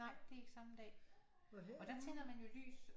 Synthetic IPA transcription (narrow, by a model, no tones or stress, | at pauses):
ɑ̈ɪ̰d̥e̝e̝ɡ̥ə̥sɑ̈məd̥ɛ̰ː | ɒ̽d̥æt͡sʰenɐmænjo̝ly̰ːs